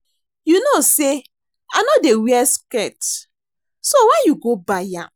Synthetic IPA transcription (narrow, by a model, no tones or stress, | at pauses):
junose | anɔdewiɛskɛt | sowajuɡobaja